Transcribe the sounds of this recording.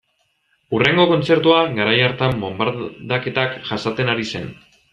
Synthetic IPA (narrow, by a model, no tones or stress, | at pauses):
ure̞ŋɡo̞ko̞nt͡se̞ɾt̪uaɡaɾajaɾt̪ambo̞mbaɾðake̞t̪akʝasat̪e̞naɾise̞̰n